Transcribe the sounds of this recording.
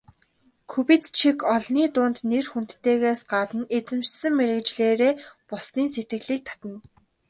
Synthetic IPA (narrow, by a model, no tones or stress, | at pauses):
kʰɵpit͡st͡ɕʰikʰɔɮniːt̪ʊːnt̪nerxun̥t̪ːeːɣeːsɢaːt̪ə̆net͡sɘ̆mt͡ɕsɘ̆ŋmeɾɘ̆kt͡ɕɮeːɾeːpʊsniːnset̪ɡɘ̆ɮiːk̚t̪ʰḁt̪ə̆n